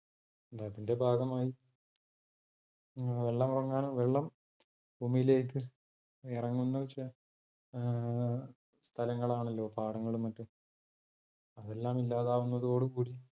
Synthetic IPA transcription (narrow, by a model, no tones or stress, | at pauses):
d̪aɐðinde̞bʱaːɡɐmaːji | ʋeɭːɐmurɐŋːaːnʋeɭːɐm | bʱuːmijile̞ːkːɨ | irɐŋːunːɐʋɐt͡ɕːɨ | st̪ʰɐlɐŋːɐɭaːɳɐlːo̞ːpaːɽɐŋːɐɭumːɐtːum | ɐðe̞lːaːmilːaːðaːʋunːɐðo̞ːɽɨkuːɽi